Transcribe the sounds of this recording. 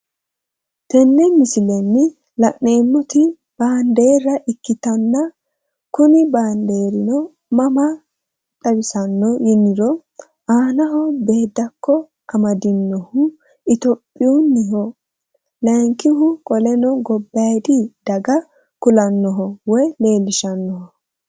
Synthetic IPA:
t̪ɛnːɛmɪsɪlɛnːɪ | lɐʔneːmːɔt̪ɪ | b̥aːnd̪e̞ːɾɐʔɪkːɪt̪ɐnːɐ | kʊnɪbaːnd̪e̞ːɾɪnɔ | mɐmɐ | t̪ʼɐbɪsɐnːɔjɪnːɪɾɔ | aːnɐɦɔbe̞ːd̪ːɐkːɔ | ʔɐmɐd̪ɪnːɔhʊ | ɪt̪ɔpʼːɪjunːɪɦɔ | lɐŋkːɪɦʊkʼɔlɛnɔɡɔbːɐjd̪ɪd̪̥ɐɡɐ | kʊlɐnːɔɦɔwɔjle̞ːlːɪʃɐnːɔhɔ

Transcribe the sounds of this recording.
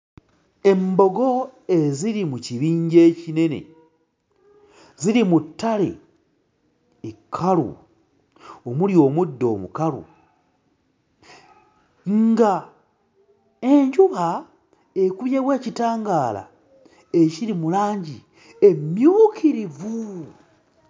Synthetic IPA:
e̞mbo̞ɡo̞e̞ziɾimuciβiːɲɟeːcine̞ne̞̰ | ziɾimutːalḛ | ekʰːalṵ | o̞muljo̞ːmudːo̞̰ːmṵkaɾṵ | ŋɡa | e̞ɲɟuβa | ekuβjeβweːcitaːŋɡaːla̰ | eciɾimulaːɲɟi | e̞mjuːkʰiɾivu

